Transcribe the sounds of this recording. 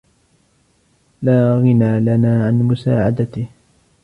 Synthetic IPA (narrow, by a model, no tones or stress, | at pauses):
laːɣɪnaːlanaːʕanmʊsaːʕad̪at̪ɪh